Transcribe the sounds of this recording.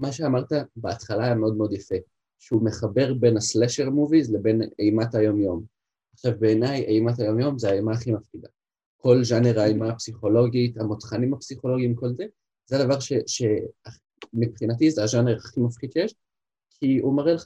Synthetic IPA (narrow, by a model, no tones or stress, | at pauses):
maʃeamaʁt̪abeat̪χalaːjameo̞d̪meo̞d̪jafe | ʃeume̞χabe̞ʁbe̞nasleʃeʁamuvizlebe̞nejmatajo̞mjo̞m | aχʃavbe̞ːnajejmatajo̞mjo̞mzeajmaːχimafχid̪a | ko̞lʒaneʁaːjmapsiχo̞lo̞ɡit̪amot̪χanimapsiχo̞lo̞ɡiimko̞lze | zead̪avaʁʃeʃe̞a | mipχinatizeaʒaneʁaχimafχid̪ʃejeʃ | kʰiumaʁeleχa